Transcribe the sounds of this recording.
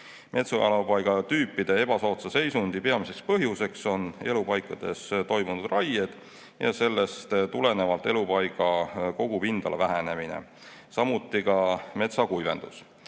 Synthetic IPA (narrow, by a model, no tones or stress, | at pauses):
mʔe̞t̪sojɑ̰lopɑjɡ̥ɑt̪yːpːˑid̪̥e̞e̞b̥ɑsoːt̪sɑse̞jsund̪̥ipe̞ɑmise̞kspɤɦjuse̞kso̞ne̞lupɑjkːˑɑd̪̥e̞st̪o̞jmunud̪̥rɑjed̪̥ | jɑ̰se̞lːe̞st̪t̪ule̞ne̞vɑlt̪ːˑe̞lupɑjɡ̥ɑko̞ɡ̥upind̪̥ɑ̰lvæɦene̞minḛ | sɑmut̪ːˑikɑme̞t̪sɑkujve̞̰nd̪̥us